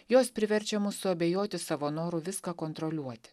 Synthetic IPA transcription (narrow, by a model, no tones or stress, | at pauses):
joːspʲɾʲɪʋʲɛɾʲt͡ʃʲɛmʊsʊɐbʲeːjoːt̪ʲɪsɑʋoːnoːɾʊʋʲɪskɑːkont̪ɾɔlʲuɔt̪ʲɪ̥